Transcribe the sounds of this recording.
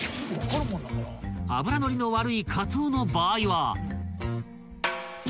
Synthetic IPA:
a̰bɯ̟ɾano̞ɾʲino̞βaɾɯ̟ikʰat͡soːno̞baːiβa

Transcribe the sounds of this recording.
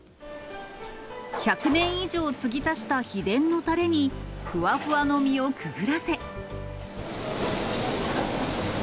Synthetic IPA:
çakɯ̟nẽ̞ɰ̃iʑo̞ːt͡sɨɡʲit̪aɕi̥t̪açid̪ẽ̞nːo̞t̪aɾe̞ɲ̟iɸɯ̟βaɸɯ̟βano̞mʲio̞kɯ̟ɡɯ̟ɾase̞

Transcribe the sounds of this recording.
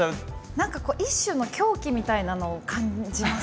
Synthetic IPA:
anãŋkako̞ːʔiɕːɨno̞kʲʰo̞ːkʲimʲit̪ainano̞ːkʰãɲd͡ʑima

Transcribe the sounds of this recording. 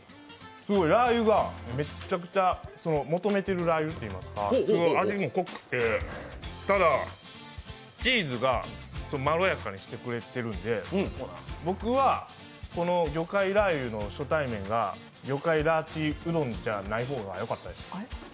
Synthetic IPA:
sɨɡo̞iɾaːjɯ̟ɡame̞t͡ɕakɯ̟̥t͡ɕaso̞no̞mo̞t̪o̞me̞t̪e̞ɾɯ̟ɾajɯ̟t̪ːe̞imasɨ̥kaɡoaɡimoko̞kɯ̥t̪ːe̞ | t̪ad̪a | t͡ɕiːzɨɡa̰sonomaɾo̞jakaɲ̟iɕi̥t̪e̞kɯ̟ɾe̞t̪e̞ɾɯ̟̃nd̪e̞ | bo̞kɯ̟βa | ko̞no̞ɡʲo̞kaiɾajɯ̟no̞ɕo̞t̪aimẽ̞ŋɡa̰ | ɡʲo̞kaiɾaːt͡ɕiɯ̟d̪õ̞ɲd͡ʑanaiɦo̞ːɡa̰jo̞kat̪ːad̪e̞sɨ̥

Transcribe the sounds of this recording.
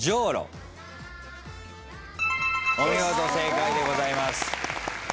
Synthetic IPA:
d͡ʑoːɾo̰ | õĩjoːt̪ose̞ːkaid̪e̞ɡo̞zaimasɨ̥

